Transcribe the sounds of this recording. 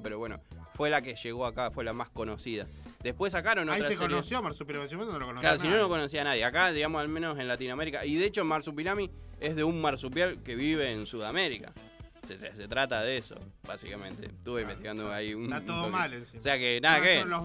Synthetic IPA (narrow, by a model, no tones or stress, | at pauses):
pe̞ɾoβweno̰fwe̞lakeʃeɣoakafwe̞lamasko̞nosiðad̪ehpwes̬akaɾonot̪ɾaekoɾsjomaɾsupinamisumenolokonoslaɾos̬ino̞noko̞nos̬ianaðjeakaðiɣamosalmẽnose̞nlat̪inoameɾika̰iðe̞et͡ʃomaɾsupinami | eɦðeummaɾsup̬jalkeβiβeːnsuðameɾika̰ | sesset̪ɾat̪aðeeso̞̰ | βa̰sikamẽ̞nt̪e̞̰t̪uβeimbet̪iɣand̪oaiunt̪oðomalensiseakenaðakelo